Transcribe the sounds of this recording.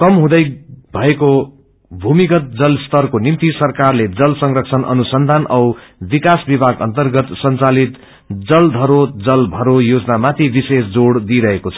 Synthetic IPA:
kʌmɦũd̪ʌjbʱʌeko | bʱumikʌt̪̚d͡zʌlst̪ʌrkonimt̪isʌrkarled͡zʌlsʌŋrʌksʰʌnʔʌ̰nusʌnd̪ʱanʔʌwbikasbibʱaɡʌ̰nt̪ʌrɡʌt̪sʌnt͡salit̪ | d͡zʌld̪ʱʌɾod͡zʌlbʱʌɾojod͡zʌnamat̪ʰibisesd͡zoɽd̪iɾʌɦekot͡sʰʌ̥

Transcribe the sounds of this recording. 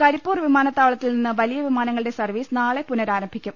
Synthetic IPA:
kɐɾipːuːrʋimaːnɐt̪ːaːʋɐɭɐt̪ːilninːɨʋɐlijɐʋimaːnɐŋːɐɭɨɽe̞sɐrʋiːsɨnaːɭe̞punɐɾaːɾɐmbʱikʲːum

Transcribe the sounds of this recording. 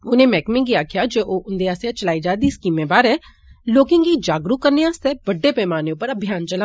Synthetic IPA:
ʊnẽːmɛːkmɪ̃ŋɡiːaːkʰjaːd͡ʒeːʔoːʔʊnd̪eːaseãt͡ʃəlaːiːd͡ʒaːd̪iːskiːmeːbaːɾɦɛː | loːkɪ̃ŋɡiːd͡ʒaːɡɾukəɾneːãːst̪ɛːbəɖːeːpɛːmaːneːʊpəɾəbʱjaːnt͡ʃəla

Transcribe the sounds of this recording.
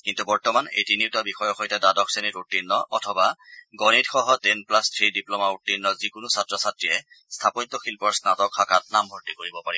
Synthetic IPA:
kintubɔɹtɔmanḛjtiniʊtabixɔjɔxɔjtadadɔksenitutːinːɔʔɔtʰɔbaɡɔnitxɔɦɔtenplastʰɹidiplɔmautːinːɔzikʊnʊsatɹɔsatɹiɛ | stʰapɔɲtɔxilpɔɹsnatɔkʰakat̚nambʱɔɹtikoɹibɔpaɹibɔ

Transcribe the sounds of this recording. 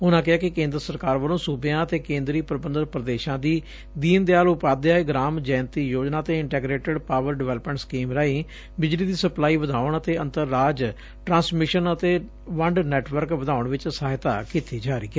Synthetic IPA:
ʊnãːkɪɦaːkɪkẽːnd̪ɾəsəɾkaːɾʋəlõːsuːbjãːət̪eːkẽːnd̪ɾiːpɾbənd̪əɾpɾəd̪eːʃãːd̪iː | d̪iːnd̪eaːlʊpaːd̪aːeɡɾaːmd͡ʒaːnt̪iːjoːd͡ʒnaːt̪eːɪɳʈɛːɡɾeːʈəɖpaːʋəɾɖɪʋɛːləpmɛ̃ːɳʈskiːmɾaːiː | bɪd͡ʒliːd̪iːsəplaːiːʋəd̪ʱaːɳət̪eːənt̪əɾːaːd͡ʒ | ʈɾãːsmɪʃənət̪eː | ʋəɳɖnɛːʈʋəɾkʋəd̪ʱaːʊɳʋɪt͡ʃsaːɦɪt̪a̰ːkit̪iːd͡ʒaːɾiːɛː

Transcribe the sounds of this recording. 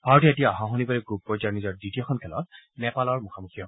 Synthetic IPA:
b̥ʱaɹɔt̬ietijaɔɦãɦonibaɹɛɡub̚pːɔɹzaɹnizɔɹdɹitijɔkʰɔnkʰɛlɔ̰t̚mɛpalɔɹmuxʰamuxʰijɔ

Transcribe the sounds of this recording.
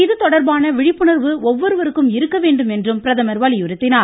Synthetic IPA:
ɪðɯt̪ɔɽɐɾbaːnɐʋɪɻɪppːɯɳɐɾʋɯɔʋːɔɾɯʋɐɾɯkːɯmɪɾɯkːɐʋeːɳɖɯmɛndrɯmpɪɾɐðɐmɐɾʋɐlɪjɯɾɯt̪ːɪnaː

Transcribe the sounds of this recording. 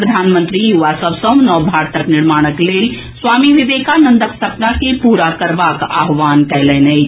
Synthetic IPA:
pɾəd̪ʱanmə̃nt̪ɾijuʋasəbʱsə̃nɔːbʱaɾt̪ʰəkniɾmaɽ̃əklel | swamiʋiʋekanənd̪əksəpnakepuɾakəɾbaka̰ɦʋankɛlɛnəjt͡ʃʰ

